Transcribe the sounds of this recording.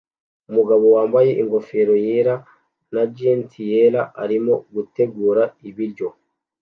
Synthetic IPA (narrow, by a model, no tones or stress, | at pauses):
umuɡaβo̞waːmbaje̞ʔiŋɡo̞fe̞ɾo̞jeɾa | nad͡ʒentʰijeɾaʔaɾimo̞ɡute̞ɡuːɾaiβiɾɟo̞